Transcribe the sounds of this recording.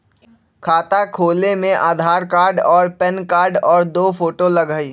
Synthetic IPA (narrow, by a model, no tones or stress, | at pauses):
kʰaːt̪akʰoːlemẽʔaːd̪ʱaːɾkaːɾɖɔːɾpɛnkaːɾɖɔːɾd̪oːfoːʈolɐɡaːiː